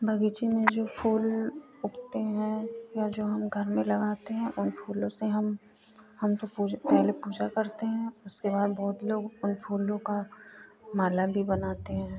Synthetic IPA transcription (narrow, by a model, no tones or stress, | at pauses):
bʱɐɡiːt͡ʃimẽd͡ʒoːfʰuːl | ʊkʰt̪eɦɛ̃ːjad͡ʒoːɦɐmɡʱɐɾmẽlɐɡaːt̪eɦɛ̃ʔʊnfʰuːlõseɦɐm | hɐmt̪opuːd͡ʒpɛɦlepuːd͡ʒakɐɾt̪eɦɛ̃ʊskebaːd̪bɔɦʊt̪loːɡʊnpʰuːlõka | maːlabʱibɐnaːt̪eɦɛ̃ː